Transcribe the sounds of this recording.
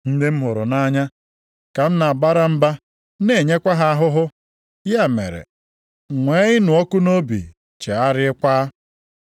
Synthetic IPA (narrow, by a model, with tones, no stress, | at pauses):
n̩˦dɪ˦m̩˦ɦʊ˨ɾʊ˨na˦ɲa˦ | ka˨m̩˦na˨a˨ba˦ɾa˦m̩˦ba˦ | ne˨ɲe˦kʷa˦ɦa˦a˦ɦʊ˦ɦʊ˦ | ja˦mḛ˨ɾḛ˨ | ŋʷe˨˦ɪ˦nʊ˨ɔ˦kʊ˦no˦bḭ˨ | t͡ʃe˨a˦ɾɪ˦kʷaː˦